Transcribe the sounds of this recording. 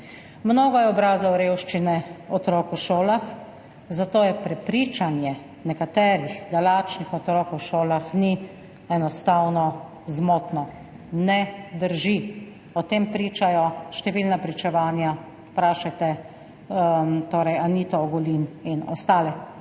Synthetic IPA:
mnoːɡɔjɛɔbɾaːzɔwɾewʃt͡ʃinɛɔt̪ɾɔkuʃoːlax | zat̪oːjɛpɾɛpɾiːt͡ʃanjɛ | nɛkat̪ɛːɾixd̪alaːt͡ʃnixɔt̪ɾɔːkuʃoːlaxni | ɛnɔst̪aːwnɔ | zmoːt̪nɔ | nɛd̪əɾʒi | ɔt̪empɾiːt͡ʃajɔʃt̪ɛʋilnapɾit͡ʃɛʋaːnja | pɾaːʃajt̪ɛ | t̪oːɾɛjanit̪ɔɔɡɔlininɔ̰st̪aːlɛ

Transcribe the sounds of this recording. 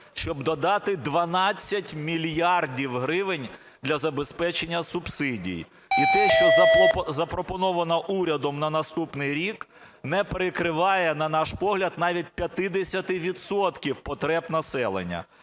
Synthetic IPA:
ʃt͡ʃɔbd̪ɔd̪ɑt̪ɪd̪ʋɐnɑt͡sʲːɐtʲmʲilʲjɑrdʲiwɦɾɪʋɪnʲ | d̪lʲɐzɐbespɛt͡ʃenʲːɐsʊbsɪdʲḭj | it̪ɛʃt͡ʃɔzɐpɾɔpɔnɔʋɐnɐʔuɾʲɐd̪ɔmnɐnɐst̪upnɪjɾʲik | nɛpeɾekɾɪʋɑjɛnɐnɑʃpɔɦlʲɐd̪nɑʋʲit̚ʲpʲjɐt̪ɪd̪esʲɐt̪ɪʋʲid̪sɔt̪kʲiwpɔt̪ɾɛbn̪ɐsɛlˠḛnʲːɐ̰

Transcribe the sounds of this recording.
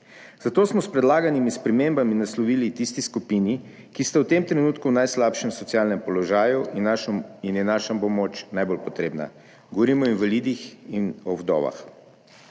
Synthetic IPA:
zat̪oːsmɔspɾɛd̪laːɡanimispɾɛmembaminaslɔʋilit̪ist̪iskupini | kist̪awt̪emt̪ɾɛnuːt̪kuwnajslaːpʃɛmsɔtsijaːlnɛmpɔlɔʒaːjuʔinainjɛnaːʃambɔmot͡ʃnajbolpɔt̪ɾeːbna̰ | ɡoʋɔɾiːmɔinʋalid̪ixinɔwd̪ɔ̰ːʋa̰x

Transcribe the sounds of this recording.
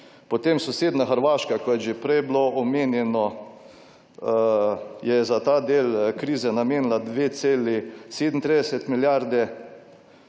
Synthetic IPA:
pot̪emsɔseːd̪naxəɾʋaːʃkakɔjɛʒɛpɾɛjbloʔɔmeːnjɛnɔ | jɛzat̪aːd̪eːlkɾiːzɛnameːnilad̪ʋeːt̪seːliseːd̪nt̪ɾiːd̪ɛsɛt̪miljaɾd̪ɛ

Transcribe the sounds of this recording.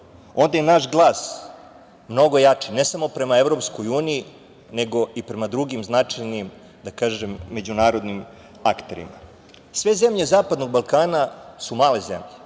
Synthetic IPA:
o̞nd̪ajenaʃɡlˠaːs | mno̞ɡo̞jat͡ʂine̞samo̞pɾe̞maevɾo̞pskojuːniji | ne̞ɡo̞ʔipɾe̞mad̪ɾuɡimznat͡ʂajnim | d̪akaːʒemːe̞d͡ʑunaːɾo̞d̪nim | akt̪eɾḭma̰ | sʋe̞zemʎe̞zaːpad̪no̞ɡ̚balˠkaːnasumaːle̞zḛmʎe

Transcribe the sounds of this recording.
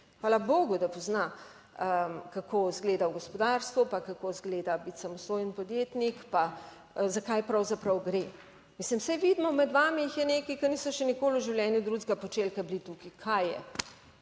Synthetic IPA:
xʋaːlaboːɡud̪apɔzna | əkakʰoːzɡleːd̪awɡɔspɔd̪aːɾst̪ʋɔpakakozɡleːd̪abit̪samɔst̪oːjənpɔd̪jet̪nikpa | zakajpɾɐwzapɾɐwɡɾe | mislimsɛjʋiːd̪mɔmɛd̪ʋaːmiixjɛnekikɐniːsɔʃɛnikoːluʒiwljɛːnid̪ɾuzɡapɔt͡ʃelkablit̪ukikʰajɛ̰

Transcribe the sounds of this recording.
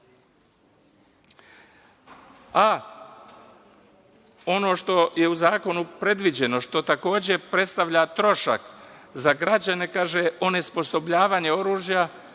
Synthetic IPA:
a | o̞no̞ːʃt̪o̞je̞uzaːko̞nupɾe̞d̪ʋid͡ʑe̞no̞ʃt̪o̞t̪ako̞ːd͡ʑe̞pɾet̪st̪aʋʎat̪ɾo̞ʃa̰kzaɡɾad͡ʑane̞kaːʒeʔo̞nespo̞so̞bʎaːʋaɲe̞o̞ɾuːʒja

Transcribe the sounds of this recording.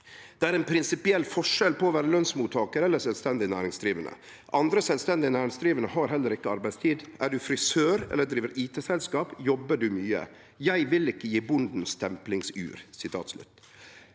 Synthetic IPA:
d̪̥ɛæːɾɛnpʰɾɪnsɪpɪɛlːfɔʂɛlpɔːʋæːɾəlœnsmuːt̪ʰɑːkəɾɛlːəsɛlst̪ɛnd̪ɪnæːɾɪŋsd̪ɾiːʋənʔə̰ | ʔɑnd̪ɾəsɛlʋst̪ɛnd̪ɪnæːɾɪŋsd̪ɾiːʋənəhɑɾɦɛlːəɾɪkːəɑɾbæɪst̪ʰiːd̪ʔæɖʉfɾɪsøːɾɛ̰lːəd̪ɾiːʋəɾiːt̪ʰeːsɛlskɑːpjɔbəɖʉmyːə̰ | jæɪʋɪlɪkːəjiːbʊnd̪n̩st̪ʰɛmplɪŋsʉ̰ːɾsɪt̪ʰɑ̰ːt̪slʉ̰t̪ː

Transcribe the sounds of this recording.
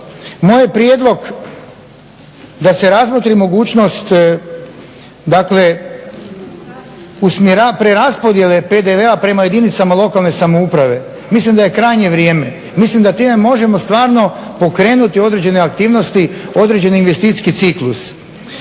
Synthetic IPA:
mo̞jepɾjed̪lˠo̞ɡ | d̪ase̞ɾazmo̞t̪ɾimo̞ɡuːt͡ʃno̞st̪ | d̪akle̞ | usmjeɾapɾeɾaspo̞d̪je̞le̞ped̪e̞ʋe̞apɾe̞maje̞d̪init̪samalˠo̞kalne̞samo̞upɾaʋe̞ | mislimd̪aje̞kɾajɲe̞ʋɾjeːme̞ | mislimd̪at̪iːme̞mo̞ʒe̞mo̞st̪ʋaːɾno̞ | po̞kɾe̞ːnut̪io̞d̪ɾe̞d͡ʑe̞neakt̪iːʋno̞st̪io̞d̪ɾed͡ʑe̞niinʋest̪it̪i̥sʲkit̪siklus

